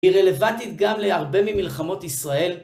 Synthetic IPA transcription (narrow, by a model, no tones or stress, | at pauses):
hiʁele̞vantit̪ɡamleaʁbe̞mimilχamo̞t̪isʁae̞l